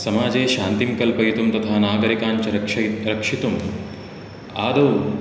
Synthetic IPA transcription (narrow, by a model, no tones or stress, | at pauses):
sɐmaːd͡ʒeːʃaːnt̪imkɐlpɐit̪umt̪ɐt̪ʰaːnaːɡɐɾikaːɲt͡ʃɐɾɐɐɾɐkʂit̪um | a̰ːd̪ɐw